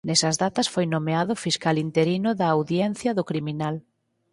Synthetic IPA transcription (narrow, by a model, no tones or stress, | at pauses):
nɛsɐzðat̪ɐsfojnomeaðʊfiskalint̪eɾinʊðɐːwðjɛn̟θjɐðʊkɾiminal